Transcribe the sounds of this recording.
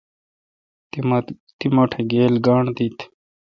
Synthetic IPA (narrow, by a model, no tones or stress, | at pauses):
t̪imɐʈʰeɡeːlɡaːɳt̪it̪